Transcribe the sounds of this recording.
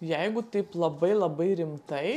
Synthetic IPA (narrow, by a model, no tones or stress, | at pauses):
jɛɪɡʊt̪ɐɪplˠɐbɐɪlˠɐbɐɪɾʲɪmt̪ɐɪ